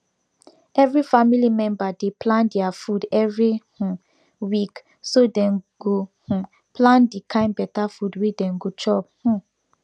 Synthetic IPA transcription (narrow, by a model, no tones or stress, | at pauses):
ɛvɹifamilimɛ̃mbadeplãndɛafudɛvɹihũ | wik | sodɛ̃nɡoh̩ | plãndikʰãɪ̃nbɛtafudwedɛ̃nɡot͡ʃɔp̚hũ